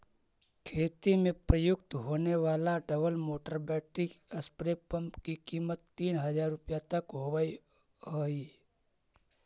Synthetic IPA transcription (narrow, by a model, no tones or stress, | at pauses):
kʰeːt̪imẽpɾəjʊɡ̚t̪ɦoːneʋaːlaɖəbəlmoːʈəɾbɛːʈɪkəspɾepəmpkikimət̪ːiːnɦəd͡ʒaːɾːʊpjat̪əkɦoʋai | ɦoi